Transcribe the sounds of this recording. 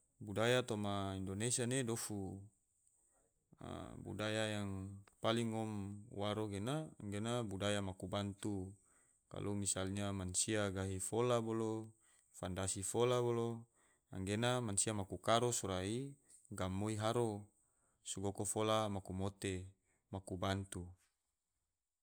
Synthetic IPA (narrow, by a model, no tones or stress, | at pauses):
budajat̪omaindonesianedofu | a̰bṵdajajaŋpaliŋɔmwaɾoɡenaːŋɡenabudajamakubant̪u | ka̰lʔomisalɲamansiaɡaɦifolabolo | fandasifolabolo | a̰ŋɡenamansiamakukaɾosuɾai | ɡamːoiɦaɾo | suɡokofolamakumot̪e | makubant̪u